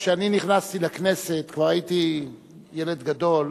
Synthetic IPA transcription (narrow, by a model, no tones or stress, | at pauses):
ʃeaniniχnast̪ilekne̞se̞t̪kvaʁait̪i | jeled̪ɡad̪o̞l